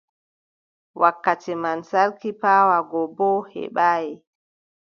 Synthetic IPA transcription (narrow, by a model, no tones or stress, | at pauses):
wʔakːatɛmansaɾkipaːwaɡɔbɔhɛ̰ɓaːjɛ